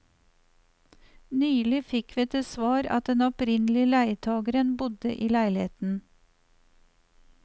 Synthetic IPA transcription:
nyːlɪfɪkʋiːɛt̪esʋɑːɾɑ̰t̪̚d̪ɛnɔpɾɪnlɪəlæɪt̪ʰɑːɡəɾənbʊd̪əʔiːlæɪlɪheːt̪n̩

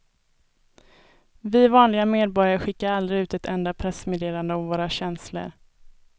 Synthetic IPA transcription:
vɪvɑːnlɪɡameːd̪̚bɔɾjaɾɧɪkːaɾald̪ɾɪʉ̟ːt̪ɛt̪ʰɛnd̪apʰɾɛsmeːd̪eːland̪əɔmvoːɾaɕɛnslə̰ɾ

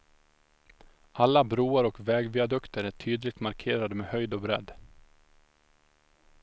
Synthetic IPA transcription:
ʔalːabɾuːaɾɔkvɛːɡvɪːad̪ɵkt̪əɾæʈʰyːd̪lɪɡ̚t̪maɾkʰeːɾad̪əmeːhœjd̪ɔbɾɛd̪ː

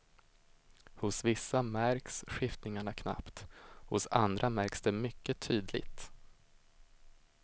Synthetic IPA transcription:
hʊsvɪsːamæɾksɧɪft̪nɪŋaɳakʰna̰pt̪hʊ̰sa̰nd̪ɾamæɾksd̪ɛmʏkːət̪ʰyːd̪lɪ̰t̪

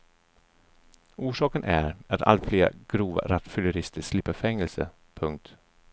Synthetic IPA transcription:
uːʂɑːkənʔæɾat̪ʰa̰lt̪fleːɾa̰ɡ̥ɾuːva̰ɾat̪fʏlɵɾɪst̪ʰəʂlɪpːəfɛŋːəlsə̰ | pʰɵŋk̚t̪

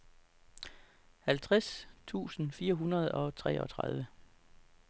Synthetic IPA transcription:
hælt͡sʰʁast͡sʰṵːsn̩fiːɐɦunɐð̞̩ˠɒ̽t͡sʰʁɛ̰ːʔɒ̽t͡sʰʁɑ̈ð̞ˠʋə

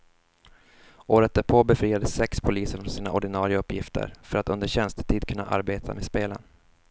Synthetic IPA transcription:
oːɾət̪̚d̪æɾpʰoːbɛfɾiːad̪əsɛkspʰʊliːsəfɾɔnsiːnaʔɔɖɪnɑːɾɪaɵpːjɪft̪ʰə̰ɾfœɾat̪ɵnd̪əɾɕɛnst̪ə̥ʈ̪ʰiːd̪̚kʰɵnːa̰ʔa̰ɾbeːt̪ʰa̰meːspeːlə̰n

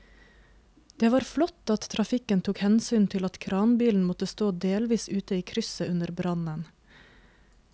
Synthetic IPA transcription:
d̪̥eːʋɑːɾflɔt̪ɑt̪t̪ʰɾʔɑfɪkənt̪ʰuːkhɛnsyːnt̪ʰɪlɑt̪kʰɾɑːnbiːln̩mɔt̪əst̪oːd̪eːlʋiːsʉːt̪əiːkʰɾʏsəʔʉnəɾbɾɑnən

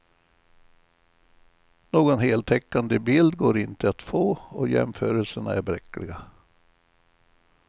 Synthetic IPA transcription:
noːɡɔnɦeːlt̪ʰɛkːand̪əbɪld̪ɡoːɾɪnt̪əat̪foːɔjɛ̰mfœːɾəlsəɳa̰æɾbɾɛkːlɪɡa

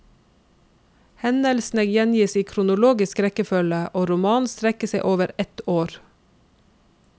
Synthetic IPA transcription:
hɛnəlsnɛɡjɛnjiːsiːkʰɾʊnʊloːɡɪskɾɛkəfœləʔoːɾʊmɑːnst̪ɾɛkəseɪʔoːʋəɾɛt̪oːɾ

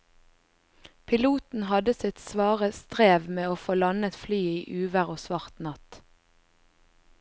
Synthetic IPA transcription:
pʰɪluːt̪n̩hɑd̪əsɪt̪sʋɑːʁəst̪ʁeːʋmeːoːfoːlɑnət̪flyːiːʔʉːʋəʁoːsʋɑʁt̪nɑt̪

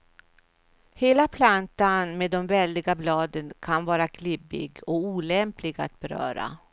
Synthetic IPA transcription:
heːlapʰlant̪anmeːd̪ɔmvɛld̪ɪɡablɑːd̪ənkʰanvɑːɾakʰlɪbɪ̰ɡɔuːlɛmplɪɡa̰t̪̚bɛɾœ̰ːɾa̰

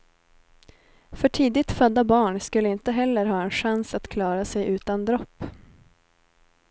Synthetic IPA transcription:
fœʈʰiːd̪ɪt̪fœd̪ːabɑːɳskɵlːəɪnt̪əɦɛlːəɾɦɑːɛnɧansat̪kʰlɑːɾasɛjʔʉ̟ːt̪and̪ɾɔpː

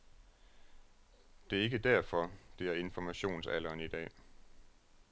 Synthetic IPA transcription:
d̥e̝æɐe̝ɡ̥əd̥æɐfɒ̽d̥e̝æɐe̝nfɒmæɕo̝̰ːnsælɐːnid̥ɛ̰ː

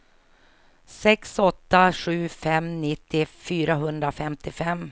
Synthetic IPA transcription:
sɛksɔt̪ːaɧʉ̟ːfɛmnɪt̪ʰːɪfyːɾaɦɵnd̪ɾafɛmt̪ʰɪfɛmː

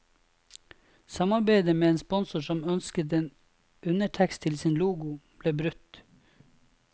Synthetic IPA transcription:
sɑmɑɾbeɪd̪əmeːeːnspɔnsʊʃɔmœnskət̪eːn | ʔʉnəʈʰækst̪ʰɪlsɪnluːɡʊb̥leːbɾʉt̪

